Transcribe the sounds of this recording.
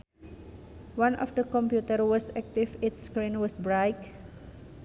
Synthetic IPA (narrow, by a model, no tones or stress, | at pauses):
wãnʔɔ̰fdəkɔ̃mpjutəɾwɔsɛk̚tifɪtskɹĩnwɔsbɹajk